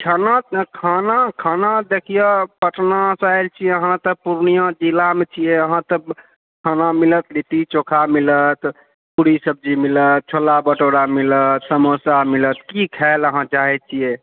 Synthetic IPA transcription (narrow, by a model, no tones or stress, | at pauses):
ʈʰanakʰanakʰanad̪ekʰijəpəʈnasajlt͡ʃʰijeəɦãt̪əpuɾnijãd͡ʒilamet͡ʃʰijeəɦãt̪ə | kʰanamilət̪lit̪it͡ʃokʰamilət̪ | puɾisəb̚d͡ʒimilət̪̚t͡ʃʰolabəʈoɽamilət̪səmosamilət̪kikʰɛləɦãd͡ʒaɛt͡ʃʰije